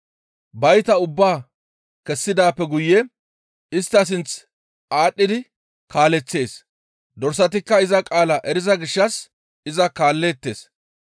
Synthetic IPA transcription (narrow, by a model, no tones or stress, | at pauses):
bɐjt̪ɐʊbːaː | kɛsːɪd̪aːpːɛɡʊjːɛ | ɪst̪ːɐs̬ɪnt͡s | aːɗːɪd̪ɪ | kaːlɛt͡sːe̞ːs | d̪ɔɾsɐt̪̬ɪkːɐɪzɐkʼaːlɐʔɛɾɪzɐɡɪʃːɐs | ɪzɐkaːlːeːt̪ːe̞ːs